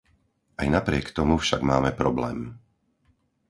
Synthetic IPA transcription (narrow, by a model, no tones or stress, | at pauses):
ajnapɾɪɛkt̪ɔmufʃaɡmaːmɛpɾɔblɛːm